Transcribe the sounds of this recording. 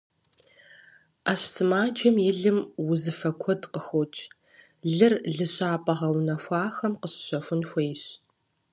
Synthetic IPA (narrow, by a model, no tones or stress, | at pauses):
aːɕsɨmaːd͡ʒɐmjɪɮɨmwʊzɨfɐkʷʰɔdqəxot͡ʃʰʼ | ɮɨrɮɨɕʼaːpʼɐʁɐwnɐxʷɑːxɐmqəɕɕɐfʷʊnxʷejɕ